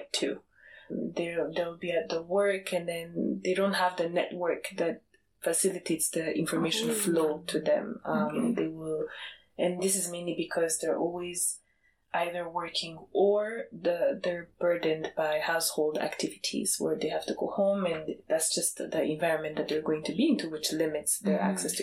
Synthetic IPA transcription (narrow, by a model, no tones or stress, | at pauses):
tʰʉ | ðəðewlˠbiɨt̪̚ðəwɜ˞kʰɨ̃nðɨ̃nðeɪɾõʊ̃nt̚ɦəvðɨnɛ̰t̚wɜ˞kðɨt̚ | fɨsɪlˠɨtʰeɪtsðɨɪ̃ɱfə˞meɪʃɨ̃n̩floʊtʰɨðɨ̰̃mʌ̃mðeɪwɪlˠ | ɨ̃nðɪs̬ɨzmẽɪ̃nlibɨkʰʌzðə˞ʔɔlˠwiz̥ | ʔaɪðə˞wɜ˞kʰɪ̃ŋəɹðɨðə˞bɜ˞dn̩baɪhaʊshoʊlˠdæ̰ktʰɪvɨtʰḭz̥wə̰˞ðeɪhæftɨɡoʊhõʊ̃mɨ̃nðætsd̥ʒ̥ʌstðiɨ̃ɱvaɪɹɨ̃nmɨ̃nðɨt̪̚ðə˞ɡoʊɪ̃ŋtʰɨbiɪ̃ntʰuwɪt͡ʃlɪmɨtsðə˞æ̰ksɛstʰ